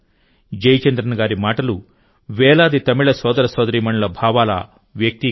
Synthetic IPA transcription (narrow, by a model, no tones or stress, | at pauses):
d͡ʒɐjt͡ʃɐnd̪ɾɐnɐɡaːɾimaːʈɐlu | ʋɛːlaːd̪it̪ɐmiɭɐsɔːd̪ɐɾɐsɔːd̪ɐɾiːmɐɳlɐbʱaːʋaːlɐ̰ | ʋjɐk̚t̪i